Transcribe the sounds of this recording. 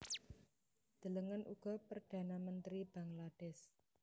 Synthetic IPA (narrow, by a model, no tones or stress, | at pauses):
d̪̥ə̤ləŋənʔṵɡ̥ɔpərd̥a̤namənt̪ɾib̥a̤ŋlaɖ̥ɛs